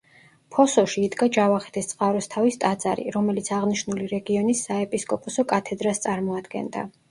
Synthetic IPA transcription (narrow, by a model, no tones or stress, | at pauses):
pʰɔsɔʃiːd̪ɡad͡ʒavaχɛ̥t̪ʰɛst̪sʼqʼaɾɔst̪ʰavist̪ʼad̪za̰ɾḭɾɔmɛlit̪sʰaʁniʃnuliɾɛɡiɔnisːaɛpʼiskʼɔpʼɔsɔkʼat̪ʰɛd̪ɾast̪sʼaɾmɔad̪ɡɛ̰nd̪a̰